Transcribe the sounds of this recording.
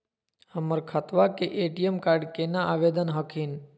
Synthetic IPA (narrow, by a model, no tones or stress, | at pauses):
həməɾkʰət̪ʋakeʔeːʈijəmkaːɾɖkeːnãʔaːʋeːd̪ənɦəkʰiːn